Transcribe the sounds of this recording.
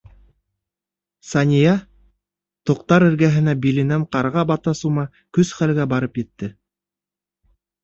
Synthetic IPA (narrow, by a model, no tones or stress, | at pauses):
sɑnʲijɑ | t̪ŏqt̪ɑɾɘ̆ɾɡæɦɘ̆næbilɘ̆næɴqɑɾʁɑbɑt̪ɑsumɑ | kɵsχælɡæbɑɾɤpjɘ̆t̪ːɘ